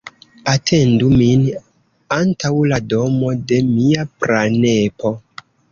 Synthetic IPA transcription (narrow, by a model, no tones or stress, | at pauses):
atʰe̞ndumin | antawlado̞mo̞de̞miapɾanepo̞